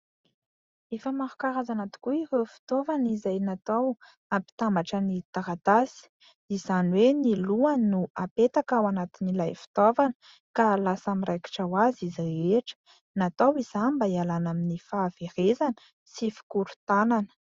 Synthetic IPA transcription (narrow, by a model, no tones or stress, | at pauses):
efəmaɾukaɾazanat̪u̥kuirefi̥t̪ovanizajnat̪aw | ampi̥t̪ambaʈ͡ʂənit̪aɾat̪asi̥ | izanweniluanuapet̪akawanat̪inilajfi̥t̪ovanə̥ | kalasamiɾajki̥ʈ͡ʂawazizreeʈ͡ʂə̥ | nat̪awiz̥ambaialanaminifaːv̥erezanə̥ | sifi̥kuɾu̥t̪ananə̥